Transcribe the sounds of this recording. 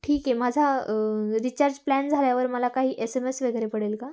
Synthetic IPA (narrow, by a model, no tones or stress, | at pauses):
ʈʰiːkjemad͡zʱa | ɾit͡ɕaɾd͡ʑplænd͡zʱaljaʋəɾməlakaɦiːʔesemesʋəɡɾepəɽelka